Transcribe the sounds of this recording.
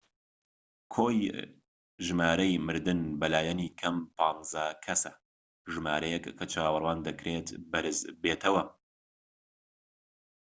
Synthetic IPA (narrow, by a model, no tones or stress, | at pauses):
kʰoːj | ʒɨmaːɾɐjmɨɾd̪ɨnbɐlaːjɐniːkʰɐmpʰɑːnzɐkʰɐsɐ | ʒɨma̰ːɾɐjɛkːʰɐt͡ʃʰaːwɐrwaːnd̪ɐkɾeːt̪bɐɾɨzbeːt̪ʰɐwɐ